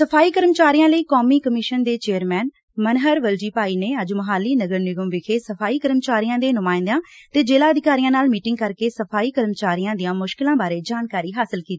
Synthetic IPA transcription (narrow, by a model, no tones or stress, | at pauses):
səpʰaːiːkəɾmt͡ʃaːɾijãːləiːkoːmiːkəmɪʃənd̪eːt͡ʃeːəɾmɛːn | mənɦəɾʋəld͡ʒiːpaːiːneːəd͡ʒməɦaːlːiːnəɡəɾnɪɡəmʋɪkʰeːsəpʰaːiːkəɾmt͡ʃaːɾijãːd̪eːnʊmaːɪ̃nd̪ãːt̪eːd͡ʒeːlaːəd̪ɪkaːɾijãːnaːlmiːʈɪ̃ŋɡkəɾkeːsəpʰaːiːkəɾmət͡ʃaːɾijãːd̪ijãːmʊʃkɪlãːbaːɾeːd͡ʒaːnkaːɾiːɦaːsɪlkiːt̪iː